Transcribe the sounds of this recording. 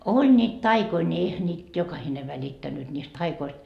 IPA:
olʲ nʲiːt tɑikoi nʲi eihæ nʲiːt jokɑhine ʋælitːænːyt nʲiːst tɑikoist

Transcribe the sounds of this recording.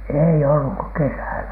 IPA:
eˑi olːuk ko kesæˑlæ

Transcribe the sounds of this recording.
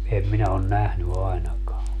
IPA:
em minæ on næhny ɑi̯nɑkɑː

